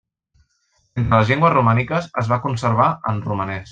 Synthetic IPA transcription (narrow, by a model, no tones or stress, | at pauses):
ent̪ɾələzʎeŋɡwəzrumanikəsəzβakunsəɾβaʔənrumənɛs